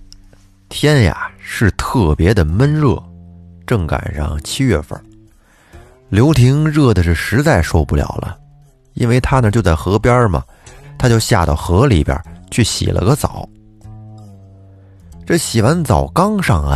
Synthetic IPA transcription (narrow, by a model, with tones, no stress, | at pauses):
t̪ʰjɛ˥nja̰˨˩ʂɻ̩˥˧t̪ʰɤ˥˩pjɛ˧˥d̪ə˨mə˥nɻɤ˥˧˩ʈ͡ʂɤ˥˩ŋka̰˨˩nɻɑ̰˥˩ŋt͡ɕʰi˥ɥɛ˥˧fə̰˞˥˩ | ljo˧˥ʊt̪ʰi˧˥ŋɻɤ˥˩d̪ə˩ʂɻ̩˥˩ʂɻ̩˧˥t͡sa˥˧ɪʂo˥˧ʊpu˥˩ljɑ̰˨˩ʊlʔə̰˦ | ḭ˥nwe˥˧ɪt̪ʰa˥nə˨t͡ɕjo˥˧ʊt͡sa˥˩ɪxɤ˧˥pjɑ˥mɐ̰˩ | t̪ʰa˥t͡ɕjo˥˧ʊɕja̰˥˧t̪ɑ̰˥˩ʊxɤ˧˥li˨˥˩pjɐ̰˞˧˥t͡ɕʰy˥˩ɕḭ˨˩lʔə̰˦ɡə˧t͡sɑ˨˩˦ʊ | ʈ͡ʂɤ˥˩ɕi˨˩wa˧˥nt͡sɑ˨˩ʊkɑ˥ŋʂɑ˥˧ŋa̰˧